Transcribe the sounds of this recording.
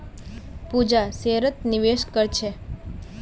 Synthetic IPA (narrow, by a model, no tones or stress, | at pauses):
pud͡ʒaseɾət̪niʋeʃkəɾt͡ʃʰe